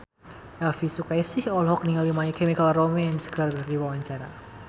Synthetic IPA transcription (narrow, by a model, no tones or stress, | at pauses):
ʔɛlfisukajasɪhɔlɦɔk̚niŋalimaikemikalromɛnsə̥ɡ̥ardardiwawaɲt͡ʃaɾa̰